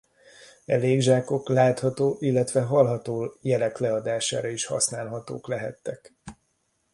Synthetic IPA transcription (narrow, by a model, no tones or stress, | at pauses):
ɛleːɡʒaːko̞klaːt̪hɒt̪oːʔilːɛt̪ʋɛɦɒlɦɒt̪oːjɛlɛklɛɒd̪aːʃa̰ːɾɒiʃhɒ̰snaːlɦɒt̪o̰ːklɛɦɛ̰t̪ːɛk